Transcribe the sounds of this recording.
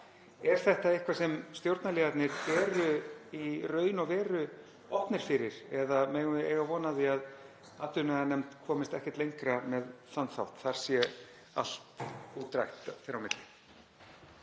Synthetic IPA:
ɛɾ̥θɛht̪aɪhkvasɛmst̪jowɾt̪nalɛːɣat̪nɪɾvɛːɾʏirœːɥjnɔɣvɛːɾʏ | ɔhpnɪɾ̥fɪɾɪɾɛðamɛːɣʏɪejɣavɔːnaðiað | at̪ʏnɛanɛmt̪kʰɔːmɪst̪ɛhcɛt̪lejŋkɾamɛðθanθa̰wht̪θaɾ̥sjɛ | a̰l̥t̪uːt̪ɾajxt̪θeɾawmɪt̪lɪ

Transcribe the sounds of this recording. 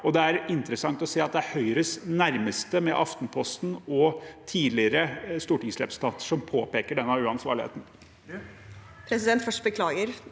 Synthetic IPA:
ɔd̪ɛæɾɪnt̪ɾəsɑŋt̪ɔseːɑt̪̚d̪ɛæhœʏɾəsnæɾməst̪əmɛʔɑft̪npʰɔst̪n̩ɔt̪ʰiːd̪lɪəɾəst̪uːʈɪŋsɾɛpɾsn̩t̪ʰɑnt̪ə̥ʂɔmpʰoːpeːkəɖɛnːɑʋʉːɑnsʋɑ̰ːɾɭɪhḛːt̪n̩ | pʰɾɛsɪd̪ɛnt̪fœʂʈbəkʰlɑːɡəɾ

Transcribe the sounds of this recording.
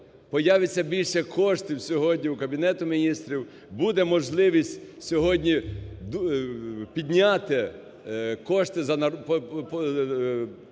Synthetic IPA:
pɔjaʋɪt͡sʲːɐbʲilʲʃɛkʰɔʃt̪ɪwsʲɔɦɔdʲnʲiukɐbʲinɛt̪ʊmʲinʲist̪ɾʲiw | bud̪ɛmɔʒlˠɪʋʲisʲtʲsʲɔɦɔdʲnʲid̪ | pʲid̪ʲnʲat̪ɪ | kɔʃt̪ɪzɐnɐp

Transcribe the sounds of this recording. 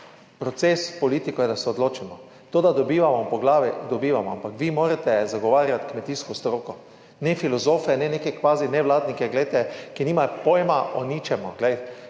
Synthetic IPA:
pɾɔt̪sespɔliːt̪ikɔjɛd̪asɛɔd̪loːt͡ʃimɔ | t̪oːd̪ad̪ɔbiːʋamɔpɔɡlaːʋid̪ɔbiːʋamɔa̰mpakʋimoːɾɛt̪ɛzaɡɔʋaːɾjat̪kmɛt̪iːskɔst̪ɾoːkɔ | nɛfilɔzoːfɛnɛneːkɛkʋaːzinɛʋlaːd̪nikɛɡlɛjt̪ɛkiniːmajpojɛmaʔɔniːt͡ʃɛmɔɡlɛj

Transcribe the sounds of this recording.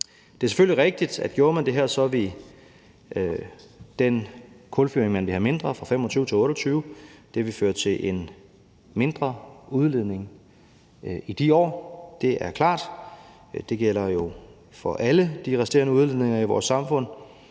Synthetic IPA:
d̥e̝æɐse̥føl̰iʁeɡ̥̚d̥id̥æd̥̚ɡ̥jo̝ːɐmænd̥e̝ɦæɐsɒ̽ʋi | d̥enkʰɔlfyɐeŋmænʋihæme̝nd̥ʁɐfʁɑ̈fem̰ɒt͡sʰyːʊət͡sʰe̝ɔ̽ːɾ̥ɐt͡sʰyːʊd̥eʋifø̰ːɐt͡sʰe̝lʔen | me̝nd̥ʁɐuð̞ˠleð̞̰ˠne̝ŋ | id̥iɒ̰ːd̥e̝ʔæɐkʰlɑ̰̈ːd̥ | d̥e̝ɡ̥el̰ɐjo̝ | fɒʔæləd̥iʁɛsd̥e̝̰ɐnəuð̞ˠle̝ð̰ˠne̝ŋɐiʋɒ̰ːsːɑ̈mfɔ̽n̰

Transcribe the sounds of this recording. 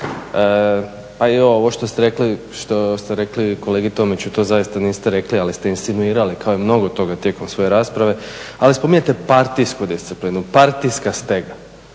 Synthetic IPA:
ə | paɛoo̞ʋo̞ʃt̪o̞st̪eɾe̞kli | ʃt̪ost̪eɾe̞kliko̞leːɡit̪o̞ːmit͡ɕut̪o̞ːzajist̪aniːst̪eɾe̞klialist̪einst̪inuiːɾalikaoimno̞ɡo̞t̪o̞ɡat̪je̞ːko̞msʋo̞je̞ɾaːspɾaʋe̞alispo̞miɲet̪e̞paɾt̪iskud̪ist̪sipliːnupaɾt̪ijskast̪e̞ɡa

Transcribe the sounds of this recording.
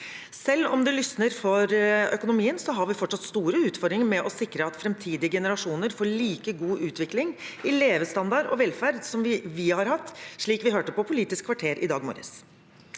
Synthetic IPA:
sɛlːɔ̰md̪ɛlʏsnəɾfɔɾœkʊnʊmiːənsɔɦɑɾʋɪfɔʈʂɑt̪st̪uːɾəʉːt̪fɔɾd̪ɾɪŋmɛʔɔsɪkɾəɑt̪fɾɛmt̪ʰiːd̪ɪəɡɛnəɾɑʂuːnəɾfoːɭiːkəɡuːʔʉːt̪ʋɪklɪŋɪleːʋəst̪ɑnd̪ɑɾɔ̰ʋɛlfæɾd̪sɔmʋɪʋɪhɑɾhɑt̪ːʂɭiːkʋɪɦøːʈəpɔpʰʊliːt̪ɪskʰːʋɑʈʰeːɾʔɪ̰d̪ɑːɡmo̰ːɾə̰s

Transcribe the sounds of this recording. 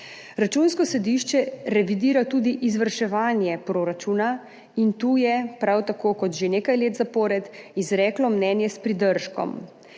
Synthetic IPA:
ɾat͡ʃunskɔsɛd̪iʃt͡ʃɛɾɛʋid̪iːɾat̪uːd̪iʔizʋəɾʃɛʋaːnjɛpɾoːɾat͡ʃuːna | int̪uːjɛpɾawt̪akoːkɔt̪ʒeneːkajleːt̪zapɔɾɛd̪izɾɛklɔmnɛːnjɛspɾid̪əɾʃkɔ̰m

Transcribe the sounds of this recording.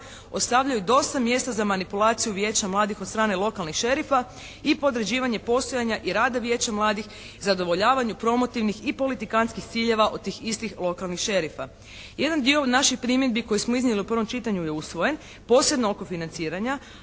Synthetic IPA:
o̞t̪st̪aʋʎajud̪o̞st̪amje̞ːst̪azamanipulˠaːt̪sijuʋje̞ːt͡ɕamlˠaːd̪ixod̪st̪ɾaːne̞lˠo̞kalnixʃe̞ɾifa | ipo̞d̪ɾed͡ʑiːʋaɲe̞po̞st̪o̞jaɲaʔiɾaːd̪aʋje̞t͡ɕamlˠaːd̪ix | zad̪o̞ʋo̞ʎaːʋaɲupɾo̞mo̞t̪iʋnixipo̞lit̪ikanskixt̪siʎe̞ʋaʔo̞d̪̚t̪iːxist̪ixlˠo̞kalˠnixʃe̞ɾifa | je̞d̪and̪ionaʃixpɾimje̞d̪̚biko̞jismoizɲeliupr̩ʋo̞mt͡ʃit̪aɲuje̞usʋo̞je̞n | po̞ːsjednooko̞finant̪siːɾaɲa

